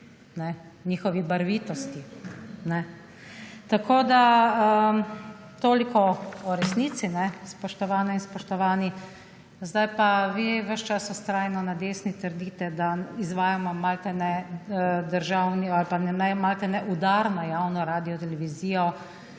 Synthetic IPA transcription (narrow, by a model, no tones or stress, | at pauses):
nɛniːxɔʋibaɾʋiːt̪ɔst̪inɛ | t̪akoːd̪aə | t̪oːlikɔɔɾɛsniːt̪sinɛspɔʃt̪ɔʋaːnɛinspɔʃt̪ɔʋaːni | zd̪ajpaʋiʋəʃt͡ʃasɔst̪ɾaːjnɔnad̪eːsnit̪əɾd̪it̪ɛd̪aizʋaːjamɔmalt̪ɛnɛ | d̪əɾʒaːwnialpanɛnɛmalt̪ɛnɛʔud̪aɾnɔjaːwnɔɾaːd̪ijɔt̪ɛlɛʋiziːjɔ